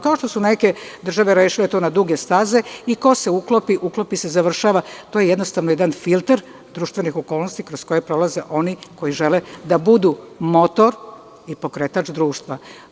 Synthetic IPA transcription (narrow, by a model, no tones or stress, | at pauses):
kaoʃt̪osune̞ke̞d̪r̩ʒaʋe̞ɾeʃilet̪oːnad̪uɡe̞st̪aze̞iko̞se̞uklopiʔuklopise̞zaʋr̩ʃaːʋat̪oje̞jed̪no̞st̪aʋnojed̪anfilˠt̪eɾ | d̪ɾuːʃt̪ʋe̞nixo̞ko̞ːlˠnost̪ikɾosko̞jepɾo̞lˠaze̞ʔo̞niko̞iʒe̞led̪abud̪umo̞t̪o̞ɾ | ipo̞kɾet̪at͡ʃd̪ɾuːʃt̪ʋa